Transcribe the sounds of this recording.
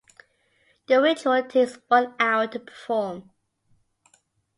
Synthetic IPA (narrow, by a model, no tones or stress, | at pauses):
ð̥əɹɪtʰɔtʰekswʌ̃naʊətʰəpʰə̥fɔːm